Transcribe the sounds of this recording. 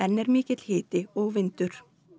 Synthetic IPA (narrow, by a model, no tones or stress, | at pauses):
ɛnːɛɾmɪːcɪt̪lhɪːt̪ɪɔɣvɪnt̪ʏɾ̥